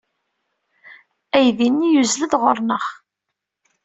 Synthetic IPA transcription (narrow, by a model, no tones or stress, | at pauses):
æjðinːijuzləðʁʊɾˤnəχ